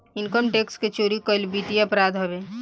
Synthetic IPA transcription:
ɪnkəmʈeːksket͡ʃoːɾikəlbiːʈiɐpɾaːd̪ɦɐbe

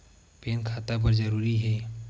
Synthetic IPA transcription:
peːnkʰat̪abəɾd͡ʒəɾuːɾiɦɛː

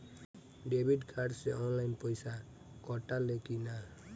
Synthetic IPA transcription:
ɖebʱiʈkʰaɖseɔnlajnpɔjsa | kɔʈalekina

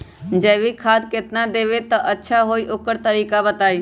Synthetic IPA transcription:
d͡ʒɛːbikʰaːd̪̚ket̪nad̪eːʋet̪əʔətːʃʰaɦoːiʔoːkəɾt̪əɾiːkabət̪aːiː

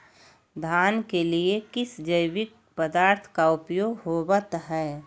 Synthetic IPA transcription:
d̪ʱaːnkeliekɪsd͡ʒəɪwɪk̚ | pəd̪aːɾt̪ʰkaʊpjoɡɦoːbət̪ɦɛː

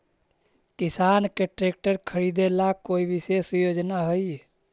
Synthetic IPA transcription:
kɪsaːnkeʈɾeːk̚ʈəɾkʰəɾid̪elakoːibɪsesjoːd͡ʒnaɦəi

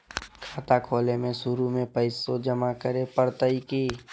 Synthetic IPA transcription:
kʰaːt̪akʰoːlemẽʃʊɾumẽpəɪsod͡ʒəmakəɾepəɾt̪əikiː

